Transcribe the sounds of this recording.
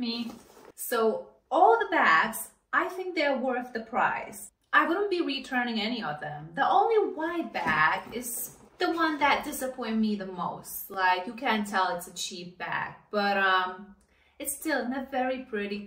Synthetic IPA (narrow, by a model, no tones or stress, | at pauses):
misoʊ | ɔlˠðəbæks | ʔaɪθɪ̃ŋk̚ðə˞wɜ˞θðɨpʰɹ̥a̰ɪs | ʔaɪwʊdⁿn̩b̥iɹitʰɜ̃˞nɪ̃ŋɛniʌvðɨ̃mðiʔõʊ̃nliwaɪd̚bækɪz | ðəwʌ̃nðɨt̚d̥ɪsɨpʰɔ̃ɪ̃n̚miðɨmoʊstlaɪkjɨkʰæ̃ntʰɛlˠɪtsɨt͡ʃʰip̚b̥æ̰k̚b̥ʌɾʌ̃m | ɨtstɪlˠɨ̃nɨvɛɹipʰɹ̥ɪɾi